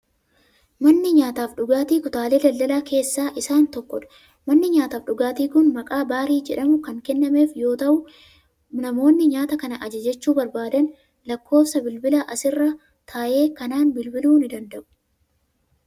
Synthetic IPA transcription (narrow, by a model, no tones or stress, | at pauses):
mɐnːɪɲaːt̪aːfᶑʊɡaːt̪iːkʊt̪aːle̞ːd̪ɐld̪ɐlaːkʰe̞ːsːaːʔɪsaːnt̪ɔkːɔᶑɐ̥ | mɐnːɪɲaːt̪aːfɗʊɡaːt̪iːkʊnmɐkʼaːbaːɾiːd͡ʒɛᶑɐmʊkɐŋkɛnːɐme̞ːfjo̞ːt̪ɐʔʊ | nɐmo̞ːnːɪɲaːt̪ɐkɐnɐʔɐd͡ʒɐd͡ʒɛt͡ʃːuːbɐɾbaːd̪ɐn | lɐkːo̞ːfsɐbɪlbɪlaʔɐsɪrːɐ | t̪ʰaːʔe̞ːkɐnaːnbɪlbɪluːnɪd̪ɐnd̪ɐʔʊ̥